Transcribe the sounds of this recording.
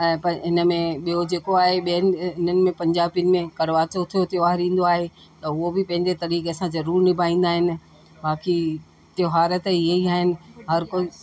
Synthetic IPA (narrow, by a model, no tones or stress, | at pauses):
ɛ̃ːpɐɦɪnəmẽɓijod͡ʑeːkoaːɦeɓiənɪ̆ɪnənɪ̆mẽpɐ̃ɲd͡ʑaːbijənɪ̆mẽkɐɽʋaːtot̪ʰijot̪ʰɪoʋaːɦɪɾĩːn̆d̪oaːɦe | t̪ɐʊɦobɪpɐ̃ɦɪ̃ɲd͡ʑet̪ɐɾiːkesãzɐɾuːɾnɪbʱaːĩːn̆d̪aːɦɪnɪ̆ | baːki | t̪ɪjoɦaːɾət̪ieiaːɦɪnɪ̆ɦɐɾko